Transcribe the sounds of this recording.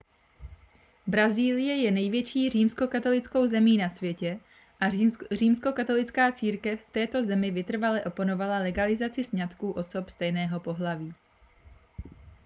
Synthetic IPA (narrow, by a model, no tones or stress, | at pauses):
bɾaziːlɪjɛjɛnɛjvjɛt͡ʃiːr̝iːmsko̞kat̪o̞lɪt͡sko̞wzɛmiːnasvjɛcɛ | ʔariːmsko̞kat̪o̞lɪt͡skaːt͡siːɾkɛfft̪ɛːt̪o̞zɛmɪvɪt̪r̩valɛʔo̞pono̞valalɛɡalɪzat͡sɪsɲat̪kuːʔo̞so̞pst̪ɛjnɛːɦo̞po̞ɦlaviː